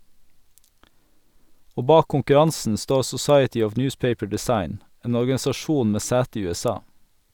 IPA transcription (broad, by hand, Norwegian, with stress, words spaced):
ˈoː ˈbɑːk kʊŋkʉˈɾɑnsn̩ ˈstoː sʊˈsɑɪətɪ ˈɔʋ ˈnjʉːspeɪpə ɖɪˈsɑɪn ˈeːn ɔɾɡɑsɑˈʃuːn ˈmeː ˈsæːtə ˈiː ʉɛˈsɑː